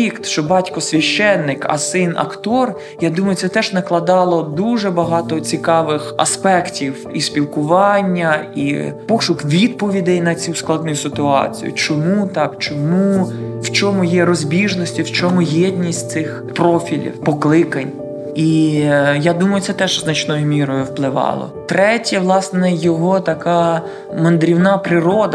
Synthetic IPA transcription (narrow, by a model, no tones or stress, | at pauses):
ikt̪ʃt͡ʃɔbɑtʲkɔsʲʋʲɐʃt͡ʃːɛnːɪkɐ̰sɪnɐ̰kt̪ɔr | jad̪umɐjʊt̪sɛt̪ɛʒnɐklˠɐd̪ɑlˠɔd̪uʒɛbɐɦɑt̪ɔt͡sʲikɑʋɪxɐ̰spɛktʲiw | ispʲilˠkʊʋɑnʲːɐḭpɔʃʊkʋʲid̪̚pɔʋʲid̪ɪjnɐt͡sʲusklˠɑd̪nʊjʊsɪt̪ʊɑ̰t͡sʲḭjʊ̰t͡ʃɔmut̪ɑkt͡ʃɔmuwt͡ʃɔmʊjɛɾɔzʲbʲiʒnɔsʲtʲʊwt͡ʃɔmʊjɛdʲnʲisʲtʲt̪sɪx | pɾɔfʲilʲḭwpɔklˠɪkɐnʲ | i | jad̪umɐjʊtsɛt̪ɛʒznɐt͡ʃnɔjʊmʲiɾɔjʊwplˠɪʋɑ̰lˠɔ̰t̪ɾɛtʲɐʋlˠɑsnɛjɔɦɔt̪ɐkɑ | mɐnd̪ɾʲiwnɑpɾɪɾɔd̪ɐ